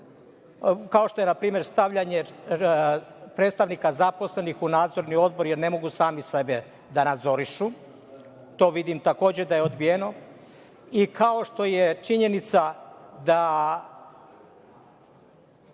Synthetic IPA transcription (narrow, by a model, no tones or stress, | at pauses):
kaoʃt̪o̞je̞napɾiːme̞ɾst̪aʋʎaɲe | pɾeːt̪st̪aʋnikazapo̞sle̞nixunaːd̪zo̞ɾnio̞d̪̚bo̞ɾjeɾne̞mo̞ɡusaːmisebe | d̪anad̪zo̞ɾiʃu | t̪o̞ːʋid̪imt̪ako̞ːd͡ʑe̞d̪ajeo̞d̪bijeno̞ | ikʰao̞ʃt̪o̞jet͡ʃiɲe̞nit̪sad̪a